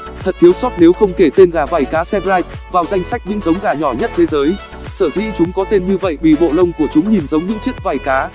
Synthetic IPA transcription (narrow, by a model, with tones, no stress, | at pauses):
t̪ʰə˨˩t̚t̪ʰi˨˦əwsɔ˦˥t̚ne˨˦wxə˧wŋ͡mke˧˩t̪e˧nɣaː˨˩vaː˨˩jkaː˨˦sɛ˧vlaː˧jp̚vaː˨˩wza˧jŋ̟sa˦˥jk̟̚ɲɨ̰˧˥ŋzə˨˦wŋ͡mɣaː˨˩ɲɔ˧˩ɲə˦˥t̚t̪ʰe˨˦zəː˨˦j | səː˧˩zḭ˧˥t͡ɕʊ˨˦ŋ͡mkɔ˨˦t̪e˧nɲɨ˧və̰˧˨jɓḭ˧˨˩ɓo̰˧˨lə˧wŋ͡mku˧˩ət͡ɕʊ˨˦ŋ͡mɲi˨˩nzə˨˦wŋ͡mɲɨ̰˧˥t͡ɕi˦˥əkt̚vaː˨˩jkaː˨˦